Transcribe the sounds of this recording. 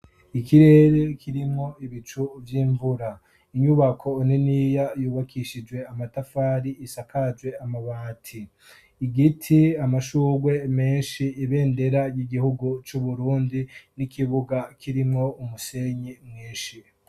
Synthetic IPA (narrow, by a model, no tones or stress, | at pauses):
ikiɾe̞ɾekʰiɾimŋo̞iβit͡ʃuvjiːɱvuɾa | iɲuβakʰo̞neniːjajuːβakiʃid͡ʒwe̞amatafaːɾiisakad͡ʒwe̞amaβaːtʰiː | ɡitʰiamaʃuːɡwe̞me̞ːnʃiːβe̞ːnde̞ɾajiɡihuɡut͡ʃuβuɾuːndinikʰiβuɡakʰiɾimŋo̞umuse̞ɲimŋiːnʃi